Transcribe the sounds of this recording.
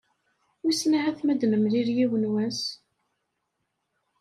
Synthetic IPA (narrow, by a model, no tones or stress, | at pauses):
wisnaʕæθmæd̪nəmliɾjiwənwæs